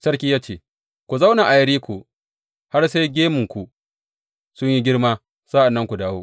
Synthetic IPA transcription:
sɐ˦ɽkʲiː˦jaː˦t͡ʃeː˦˨ | kʷu˨za˦wna˨ʔa˨jɐ˦ɽiː˦kʷu˨ | ha˦rse˦jɡʲeː˦mʊ˨ŋkʷu˨ | sʊ˦ɲji˦ɡʲɪ˦ɽmaː˦ | sa˦ʔa˨nːɐ˦ŋkʷu˨daː˦woː˦

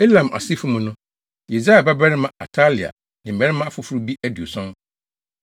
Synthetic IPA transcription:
e˦lã˨mʔa̰˨si˦fʊ̃˦mũ˨nʊ̃˦ | je˨za˦a˨ba˦bɛ˦ɾɪ˦mã˨a̰˨tʰa˦li˨a̰˨ | nɪ̃˨m̩˨bɛ˨˦ɾɪ˦mã˦a˦fʊ˨fʊ˦ɾu˦bi˦ʔæ˦di˨o˨sɔ̃˦n

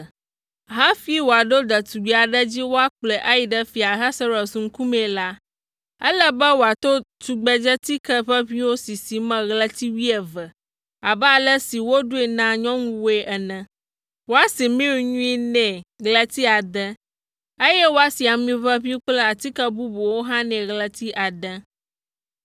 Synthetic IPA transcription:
ɦa˦fi˦wo˨a˨ɖo˦d̪ə˨t̪u˨ɡ͡bi˨a˨ɖɛ˦d͡ʑi˦wo˦a˨k͡plɛ˨ʔa˦ji˨ɖɛ˦fi˨a˨ɦa˦sə˦ɾɔ˨sũ˨ŋ̩˦ku˦mɛ̃˨la˦ | ɛ˦lə˦bɛ˦wo˨a˨t̪o˦t̪u˨ɡ͡bɛ˦d͡ʒɛ˦t̪i˦kɛ˦ɸə˦ɸĩ˦wo˦si˨si˨mɛ̃˨ɣlə˦t̪i˦wi˦ɛ˨və˨ | a˨bɛ˦a˨lə˦si˨wo˦ɖu˦e˨nã˦ɲɔ̃˦ŋũ˦we˦ʔɛ˨nɛ̃˨ | wo˦a˨si˨mĩ˦wu˨ɲũ˦i˦nɛ̃˨ɣlə˦t̪i˦a˨d̪ə˦ | e˦jɛ˦wo˦a˦si˨a˨mĩ˦vɛ˦βĩ˦k͡plɛ˦a˨t̪i˦kə˦bu˦bu˨wo˦ɦã˦nɛ̃˨ɣlə˨t̪i˦ʔa˨d̪ə˦

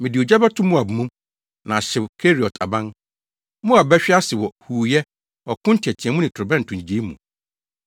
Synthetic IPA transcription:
mɪ̃˨dɪ˨o˨d͡ʑa˦bɛ˦tʰʊ̃˦mũ˦a˨bu˨mũ˦m | nã˨ɕɪ˨wkʰe˦ɾi˨ɔ˨tʰa̰˨bã˦n | mũ˦a˨bɛ˦ɕᶣɪ˦a˦sɪ˨wɔ˨huː˨jɛ˦ | ɔ˨kʰʊ̃˦ntʰi˨ɛ˨tʰĩ˨ɛ̃˨mũ˦nɪ̃˨tʰʊ˨ɾʊ˨bɛ̃˦n̩˨tʰʊ̃˨ɲĩ˨d͡ʑe˦i˦mṵ̃˨

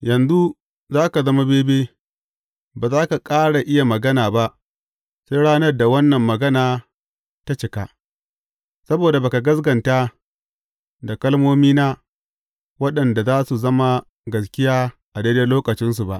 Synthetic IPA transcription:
jɐ˨nzu˦ | zaː˦ka˨zɐ˦ma˦beː˦beː˦ | baː˨zaː˦ka˨kʼaː˦ɽa˨ʔɪ˦ja˨mɐ˨ɡɐ˦naː˨ba˦ʔ | se˦jɽaː˦nɐ˦rda˨wɐ˦nːɐ˨mːɐ˨ɡɐ˦naː˨ | ta˦t͡ʃɪ˨ka˦ | sɐ˦boː˨da˨baː˨ka˨ɡɐ˦s̬ɡɐ˨nta˦ | da˨kɐ˦lmoː˦miː˦naː˦ | wɐ˦ɗɐ˨nda˨zaː˦su˨zɐ˦ma˦ | ɡɐ˨skʲɪ˦jaː˦ʔa˨deː˦de˦loː˦kɐ˨t͡ʃɪ˦ns̬u˨ba˦ʔ

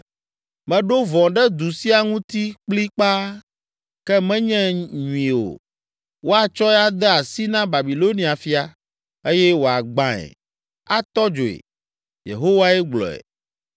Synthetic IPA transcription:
mɛ̃˨ɖo˦vɔ̃˨ɖɛ˦d̪u˨si˦a˨ŋũ˦t̪i˦k͡pli˦k͡pa˦ | kɛ˦mɛ̃˦ɲɛ̃˦ɲũ˨ĩ˨o̰˨ | wo˦a˨t͡ʃɔ˦ɛ˦a˦d̪ɛ˦a˨si˦nã˦ba˨bi˨lo˦nĩ˨a˨fi˦a˨ | e˦jɛ˦wo˨a˨ɡ͡bã˦ɛ̰˨ | a˦t̪ɔ˦d͡ʒo˨ḛ˨ | jḛ˨ɦo˦wa˦ɛ˦ɡ͡blɔ̰˨ɛ̰˨

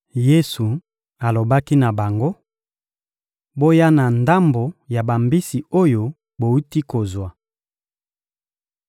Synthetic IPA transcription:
je˦su˨ | a˨lo˨ba˦ki˦na˨ba˨ŋɡo˦ | bo˦ja˦na˨nda˦mbo˨ja˨ba˨mbi˦si˨o˦jo˨ | bo˨u˦ti˦ko˨zwa˨

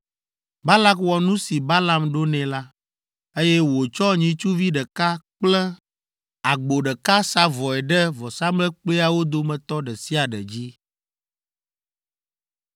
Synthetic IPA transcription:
ba˦la˦kwɔ˨nũ˦si˨ba˦la˦mɖo˦nɛ̃˨la˦ | e˦jɛ˦wo˨t͡ʃɔ˦ɲĩ˨t͡ʃu˦vi˦ɖɛ˨ka˦k͡plɛ˦ | a˨ɡ͡bo˨ɖɛ˨ka˦sa˦vɔ˨ɛ˨ɖɛ˦vɔ˨sa˦mlɛ˦k͡ple˦a˨wo˦d̪o˦mɛ̃˨t̪ɔ˦ɖɛ˨si˦a˨ɖɛ̰˨d͡ʑi˦

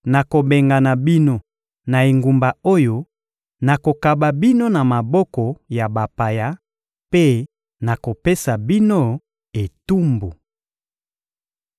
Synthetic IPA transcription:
na˨ko˨be˨ŋɡa˨na˨bi˦no˦ | na˨e˨ŋɡu˨mba˨o˦jo˦ | na˨ko˨ka˨ba˨bi˦no˦na˨ma˨bɔ˦kɔ˨ja˨ba˨pa˨ja˦ | pe˦ | na˨ko˨pe˦sa˨bi˦no˦ | e˨tu˦mbu˨

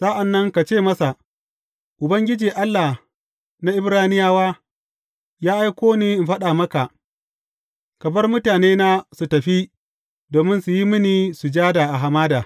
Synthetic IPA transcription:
sa˦ʔa˨nːɐ˦ŋka˨t͡ʃeː˦˨mɐ˦sa˨ | ʔʊ˨bɐ˦ŋɡʲɪ˦d͡ʒiː˨ʔa˦lːa˨ | na˦ʔɪ˦bɾaː˦nɪ˦jaː˦waː˦ | jaː˦ʔa˦jkʷoː˦niː˨ʔɪ˨mɸɐ˦ɗaː˨mɐ˦ka˨ʔ | kɐ˨bɐ˦rmʊ˦taː˨neː˦naː˦su˨tɐ˨ɸi˦ | doː˨mɪ˦nsu˨ji˦mɪ˦niː˨su˨d͡ʒaː˦daː˨ʔa˨ɦa˨maː˦daː˨

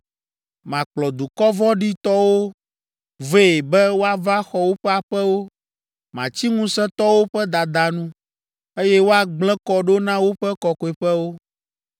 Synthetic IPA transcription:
mã˨k͡plɔ˨d̪u˨kɔ˦vɔ˦ɖi˦t̪ɔ˦wo˦ | ve˦˨e˨bɛ˦wo˦a˦va˦xɔ˦wo˦ɸɛ˦a˨ɸɛ˦wo˦ | mã˨t͡ɕi˦ŋũ˦sɛ̃˦t̪ɔ˦wo˦ɸɛ˦d̪a˨d̪a˨nũ˦ | e˦jɛ˦wo˦a˦ɡ͡blɛ̃˦kɔ˦ɖo˦nã˦wo˦ɸɛ˦kɔ˨kɔ˨e˨ɸɛ˦wo˦

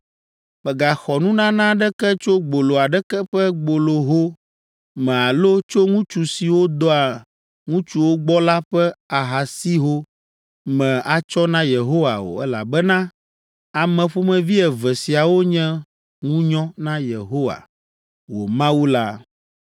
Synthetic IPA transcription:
mɛ˨ɡa˨xɔ˨nũ˦nã˦nã˦ɖɛ˦kɛ˦t͡ʃo˦ɡ͡bo˨lo˨a˨ɖɛ˦kɛ˦ɸɛ˦ɡ͡bo˨lo˨ɦo˦ | mɛ̃˨a˨lo˦t͡ʃo˦ŋũ˦t͡ʃu˨si˨wo˦d̪ɔ˦a˨ | ŋũ˦t͡ʃu˦wo˦ɡ͡bɔ˦la˦ɸɛ˦a˨ɦa˨si˦ɦo˦ | mɛ̃˨a˨t͡ʃɔ˦nã˦je˨ɦo˦wa̰˨wo̰˨ɛ˦la̰˨bɛ˦nã˦ | a˨mɛ̃˨ɸo˦mɛ̃˨vi˦ɛ˨vɛ˨si˨a˨wo˦ɲɛ̃˦ | ŋũ˦ɲɔ̃˦nã˦jḛ˨ɦo˦wa̰˨ | wo̰˨mã˦wu˦la˦

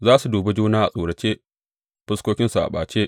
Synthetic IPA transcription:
zaː˦su˨duː˨be˦d͡ʒuː˦naː˦ʔa̰˨sʼuː˨ɽɐ˨t͡ʃeː˦ | ɸɪ˦skʷoː˦kʲɪ˦nsu˨ʔa̰˨ɓa̰ː˨t͡ʃeː˦ʔ

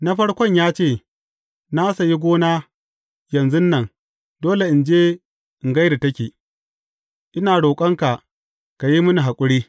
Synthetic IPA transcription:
na˦ɸɐ˦ɽkʷɔ˦ɲjaː˦t͡ʃeː˦˨ | naː˦sa˨ji˦ɡʷoː˦naː˦ | jɐ˨nzʊ˦nːɐ˨ŋ | doː˦le˨ʔɪ˨nd͡ʒeː˦ | ʔɪ˨ŋɡa˦jda˨tɐ˦kʲeː˨ | ʔɪ˦naː˨ɽoː˨kʼɐ˦ŋka˨ | ka˨ji˦mʊ˦ni˨ɦa˨kʷʼʊ˦ɽiː˦

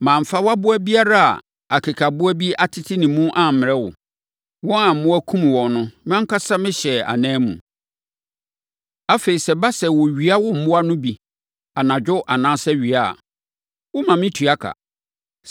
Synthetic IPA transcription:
mãː˨m̩˨fa˦wa˦bʊ˦æ˦bi˦a˦ɾa˦a̰˨ | a˨kʰe˨kʰa˨bʊ˦æ˦bi˦a˨tʰɪ˦tʰɪ˦nɪ̃˨mũ˦ʔã˨m̩˨mɪ̃˨ɛ˦wʊ̰˨ | wɔ̃˦ã˨m̩˨mʊ̃˦æ˦kʰũ˦m˨wɔ̃˨nʊ̃˦mɪ̃˦ã˦kʰa˦sa˦mɪ̃˦ɕɛ˨a̰˨nɛ̃ː˦mṵ̃˨ | a˦fe˨i˨sɛ˨ba˦sɛ˨wɔ˨ɥi˨˦a˦wʊ˦m̩˦˨bʊ˦a˦nʊ̃˦bi˨ | a˨nã˨d͡ʑᶣʊ˦ʔa˨nãː˦sɛ˦ɥi˨a˨a̰˨ | wɔ˦mã˨mɪ̃˦tʰu˨a˦kʰa̰˨

